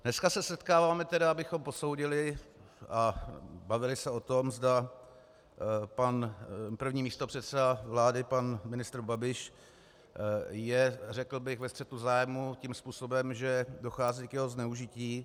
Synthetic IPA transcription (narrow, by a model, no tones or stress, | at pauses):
dnɛskasɛsɛt̪kaːvaːmɛt̪ɛdaabɪxo̞mpo̞so̞wɟɪlɪ | abavɪlɪsɛo̞t̪o̞mzda | panpr̩vɲiːmiːst̪o̞pr̥ɛt̪sɛdavlaːdɪpanmɪnɪst̪ɾ̩babɪʃ | jɛrɛkl̩bɪɣvɛst̪r̥ɛt̪uzaːjmucimspuːso̞bɛmʒɛdoxaːziːkjɛɦoznɛuʒɪciː